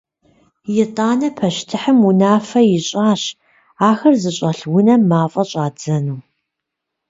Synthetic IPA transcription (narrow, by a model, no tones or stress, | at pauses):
jɪtʼaːnɐpʰɐʃtʰɨħəmunaːfɐjɪɕʼaːɕ | aːxɐrzɨɕʼɐɬwʊnɐmaːfʼɐɕʼaːd͡zɐnuː